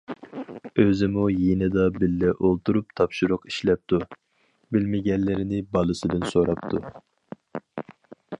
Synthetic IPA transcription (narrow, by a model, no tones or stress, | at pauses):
øzɪmujenɪd̪ɑbɪlːɛʔolˠt̪ʰuɾupt̪ʰɑpʃuɾʊqi̥ʃlɛp̚t̪ʰu | bɪlmɪɡʲɛnːɪɾɪnɪbɑlˠɨsɨd̪ɨnsoɾɑp̚t̪ʰu